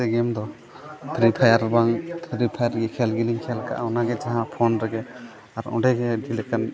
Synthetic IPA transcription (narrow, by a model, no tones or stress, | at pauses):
ɛɡɛmd̪ɔ | t̪ʰɾipʰajaɾbaŋt̪ʰɾipʰajaɾɡɛkʰɛlɡiliŋkʰɛlka̰ʔawnaɡɛd͡ʒaɦãpʰɔnɾɛɡɛ | aɾɔɖeɡɛdilɛkan